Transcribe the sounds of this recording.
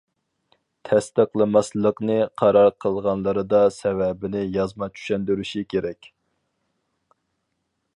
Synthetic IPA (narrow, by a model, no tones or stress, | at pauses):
t̪ʰɛst̪əqlˠɨmɑslˠəqnɨqʰɑɾɑɾqʰəlˠʁɑnlˠəɾɨd̪ɑsɛvɛbɪnɪjɑzmɑt͡ʃʰy̥ʃɛnd̪yɾyʃikʲʰeɾɛkʲ